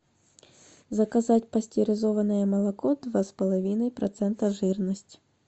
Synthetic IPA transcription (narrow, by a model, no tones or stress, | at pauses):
zɐkɐzatʲpɐsʲtʲiɾɪzɔvɐnɨjɛmɐlˠɐkɔd̪ʋaspɐlˠɐvʲinɐjpɾɐ̰t̪sɛnt̪ɐʐɨrnɐsʲtʲ